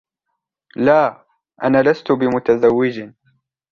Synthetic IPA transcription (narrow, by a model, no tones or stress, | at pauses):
laː | ʔa̰naːlast̪ʊbɪmʊt̪azawːɪd͡ʒ